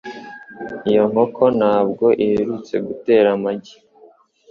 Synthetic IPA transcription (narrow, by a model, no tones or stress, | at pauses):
ijo̞ŋho̞kʰo̞nhaːb̚ɡoʔiheɾut͡se̞̰ɡute̞ːɾamaɟi̥